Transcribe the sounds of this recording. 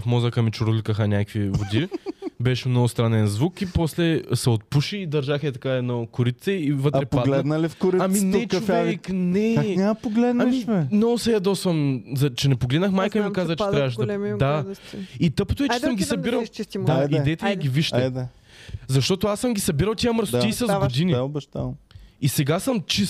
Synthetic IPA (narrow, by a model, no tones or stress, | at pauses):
fmɔzəkɐmit͡ʃʊɾulikəxɐnʲakvivod̪ibɛʃmnɔɡʊst̪ɾanɛnzvukipɔslɛsɛot̪̚puʃiːd̪ɐɾʒaxɛt̪ɐkaɛd̪nɔkʊɾit̪sɛivət̪ɾɛpaɡlɛd̪nəlifkʊɾiamminɛt͡ʃofɛknɛnapoɡlɛd̪namiʃɛnɔsɛjɐd̪ɔsəmzɐt͡ʃɛnɛpoɡlɛd̪nəxmajkəimikazzət͡ʃɛat̪ɾavɐʃd̪ɐld̪ait̪ɤpo̥t̪oɛt͡ʃɛsəmɡʲisɐbiɾɐʃt͡ʃist̪d̪adiɛt̪ɛjiɡʲiviʃt̪ɛd̪ɛ | zɐʃt̪ɔt̪oasəmɡʲisɐbiɾɐlˠt̪ʲiɐməɾsʊt̪iisɐzɡʊd̪inibɛʃt̪amisɛɡasəmt͡ʃis